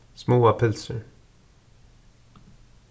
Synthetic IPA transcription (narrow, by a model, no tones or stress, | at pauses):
smoːapʰʉlsəɹ